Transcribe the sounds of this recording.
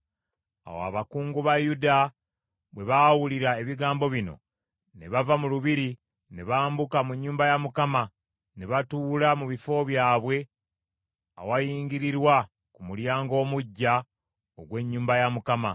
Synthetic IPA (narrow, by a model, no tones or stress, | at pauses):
a̰wa̰βakuːŋɡuβajuda | βwe̞βawuliɾaeβiɡaːmbo̞βino̞̰ | ne̞βavamuluβiɾi | ne̞βaːmbukamuɲːuːmbajamukama | ne̞βatuːlamuβifo̞βjaːβwe̞ | a̰wajiːŋɡiɾiɾwa | kumuljaːŋɡo̞ːmuɟːa | oɡwe̞ɲːuːmbajamukama